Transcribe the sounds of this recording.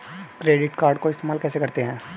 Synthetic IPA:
kɾeːɖɪʈkaːɾɖkoɪst̪eːmaːlkɛːsekɐɾt̪eɦɛ̃ː

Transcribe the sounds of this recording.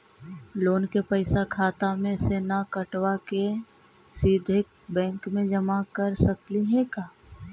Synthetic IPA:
loːnkepəɪsakʰaːt̪amẽseːnakəʈwake | siːd̪ʱɪk̚ | bɛ̃ːŋkmẽd͡ʒəmakəɾsəkliɦɛ̃kaː

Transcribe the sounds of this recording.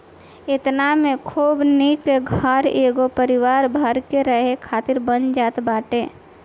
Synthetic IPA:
ɪt̪namẽkʰuːbnɪkɡʱəɾeːɡopəɾɪʋaːɾbʱəɾkeɾəɦekʰaːt̪ɪɾbənd͡ʒaːt̪baːʈeː

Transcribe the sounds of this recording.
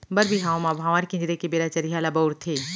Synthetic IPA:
bɐɾbiɦaːõmabʱaʋaːɾkɪ̃ɲd͡ʒɾekebeːɾat͡ʃɐɾiɦalabɐwɾt̪ʰeː

